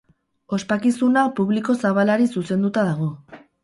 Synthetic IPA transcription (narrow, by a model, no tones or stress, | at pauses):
o̞spakisunapuβliko̞saβ̞alaɾisuse̞nd̪ut̪aðaɣ̞o̞